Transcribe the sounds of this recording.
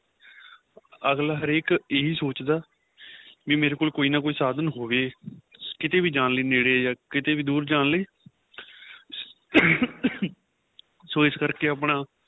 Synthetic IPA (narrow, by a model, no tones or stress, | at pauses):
əɡlaːɦəɾeːkeːɦiːsoːt͡ʃd̪aː | ʋĩːmeːɾeːkoːlkoːiːnaːkoːiːsaːd̪ənɦoːʋeːkɪt̪eːbiːd͡ʒaːnliːneːɽeːjaːkɪt̪eːʋiːd̪uːɾd͡ʒaːnliː | soːɪskəɾkeːəːp̬ɳaː